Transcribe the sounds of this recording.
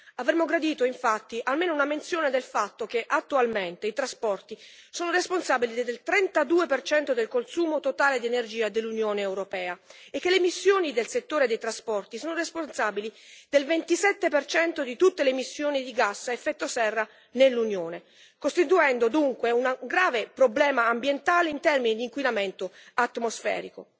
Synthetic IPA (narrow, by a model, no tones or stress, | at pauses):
avɾemːoɡɾad̪iːt̪oiɱfat̪ːiʔalmeːnounament̪sjoːned̪elfat̪ːok̟eʔat̪ːualment̪eit̪ɾaspɔrt̪isoːnoresponsaːbilid̪d̪elt̪ɾɛnt̪ad̪uːepert͡ʃɛnt̪od̪elkonsuːmot̪ot̪aːled̪ienerd͡ʒiːad̪elːunjoːneːwɾopɛːaekːelemisːjoːnid̪elset̪ːoːɾed̪ejt̪ɾaspɔrt̪isoːnoresponsaːbilid̪elvent̪isɛt̪ːepert͡ʃɛnt̪od̪it̪ut̪ːelemisːjoːnid̪iɡasːaefːɛt̪ːosɛrːa | nelːunjoːne | kost̪it̪uɛnd̪od̪uŋkweunaɡɾaːvepɾoblɛːmaːmbjent̪aːleint̪ɛrminid̪iːŋkwinament̪oat̪ːmosfɛ̰ːɾiko̰